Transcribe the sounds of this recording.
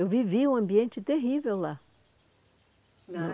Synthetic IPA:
ewviviũɐ̃mbiẽnt͡ʃɪt̪eɦivewla | ñ

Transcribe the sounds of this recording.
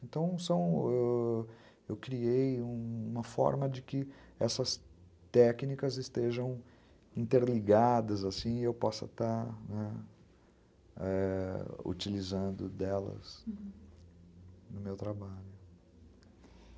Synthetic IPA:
ẽnt̪ɐ̃w̃sɐ̃w̃ɛ | ewkɾiejũumɐfɔ̰ɾmɐd͡ʒɪkɪ | ɛsɐs | t̪ɛknikɐzɪst̪eʒɐ̃w̃ | ĩnt̪eɾliɡad̪ɐzasĩɪewpɔsɐ̰t̪aɾnɛ | ɛ | ṵt͡ʃilizɐ̃nd̪ʊ̰d̪ɛlɐ̰z | nʊmewt̪ɾabaʎʊ

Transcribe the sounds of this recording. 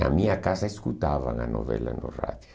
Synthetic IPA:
amiakasaiskut̪aːʋaŋanoʋelːanorat̪ʲ

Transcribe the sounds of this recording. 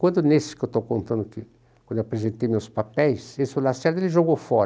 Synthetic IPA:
kwɐ̃nd̪ʊnesɪ̥kewt̪owkõnt̪ɐ̃nd̪ʊkɪ | kw̃d̪ewapɾezẽnt̪ejmewspapɛjsesɪolasɛɾd̪ʊelɪʒoɡowfɔɾ

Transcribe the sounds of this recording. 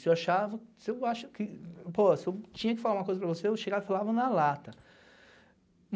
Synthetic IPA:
sɪewaʃavɐsɪewaʃʊkɪpoɐsɪewt͡ʃĩɲɐkɪfalaũmɐkojzɐpɾɐvoseewʃeɡavfalavɐnɐlat̪ɐ | m

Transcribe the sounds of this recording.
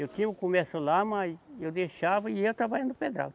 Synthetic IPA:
ewt̪ĩʊkomesʊlamɐsewd̪eʃavɐɪewt̪ɾavaĩnd̪ʊped̪ɾa̰w

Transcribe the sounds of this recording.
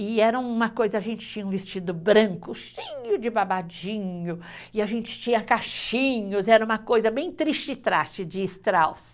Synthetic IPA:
ɪɛɾɐw̃ũmɐkojzɐaʒẽnt͡ʃɪ̥t͡ʃĩɲɐũvest͡ʃid̪ʊbɾɐ̃ŋkʊʃĩɲʊd͡ʒɪbabad͡ʒĩɲʊɪaʒẽnt͡ʃɪ̥t͡ʃĩɲɐkaʃĩɲʊzɛɾɐ̃ũmɐkojzɐbẽj̃t̪ɾist͡ʃɪɪt̪ɾast͡ʃɪd͡ʒɪːst̪ɾaws

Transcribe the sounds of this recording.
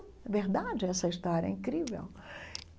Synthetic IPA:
ɐveɾd̪ad͡ʒɪɛsɐiʃt̪aɾɛ̰ĩkɾivḛw

